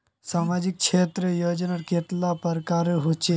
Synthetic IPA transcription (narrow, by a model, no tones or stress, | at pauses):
saːmaːd͡ʒik̚t͡ʃʃʰeːt̪ɾəjoːd͡ʒnɐɾkeʈ̪lapəɾkaːɾɦot͡ʃe